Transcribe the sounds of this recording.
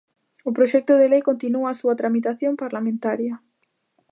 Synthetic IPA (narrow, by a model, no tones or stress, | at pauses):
ʊpɾoʃɛk̚t̪ʊðelejkont̪inuaːsuat̪ɾamit̪aθjompaɾlamẽnt̪aɾjɐ